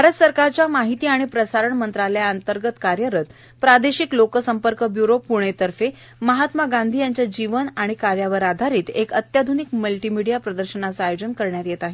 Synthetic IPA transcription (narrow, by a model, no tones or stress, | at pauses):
bʱaɾət̪səɾkaɾt͡ɕjamaɦit̪iːaɽ̃ipɾəsaɾəɳmənt̪ɾaljaənt̪əɾɡət̪kaɾjəɾət̪ | pɾad̪eɕiklokəsəmpəɾkəbjuɾopuɽ̃et̪əɾfe | məɦat̪maɡand̪ʱiːjaɲt͡ɕjad͡ʑiʋənaɽ̃ikaɾjaʋəɾad̪ʱaɾiːt̪ekət̪jad̪ʱunikməlʈimiɽijapɾəd̪əɾɕənat͡saajod͡ʑənkəɾɳjat̪jet̪aɦe